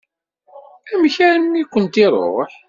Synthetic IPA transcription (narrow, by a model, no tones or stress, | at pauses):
æmçæɾənːikʷːənt̪ɪɾˤo̰ħ